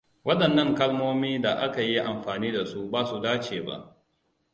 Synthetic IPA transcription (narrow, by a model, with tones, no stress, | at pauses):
wɐ˦ɗɐ˨nːɐ˦ŋkɐ˦lmoː˦miː˦da˨ʔa˦ka˨ji˦ʔa˨mɸaː˨niː˦da˨su˦baː˦su˨daː˦t͡ʃeː˨ba̰˦ʔ